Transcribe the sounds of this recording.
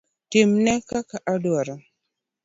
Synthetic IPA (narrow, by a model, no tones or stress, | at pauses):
tɪmnɛkakaʔadwɔɾɔ